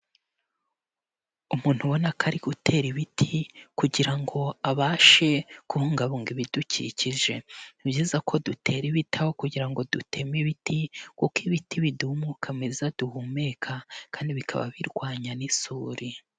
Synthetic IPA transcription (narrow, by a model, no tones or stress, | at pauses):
umuːn̥huβo̞nakʰaɾiɡutʰe̞ːɾiβitʰikuɟiɾaŋɡo̞aβaːʃe̞kuhuŋɡaβuŋɡiβiducḭciʒe̞ibjiːzakʰo̞dutʰe̞ːɾiβitʰawokuɟiɾaŋɡo̞dutʰe̞miβitikukiβitiβidumukʰamezad̥uhume̞kʰakʰaːndiβikʰa̰βa̰βiɾɡwaːɲanisuːɾi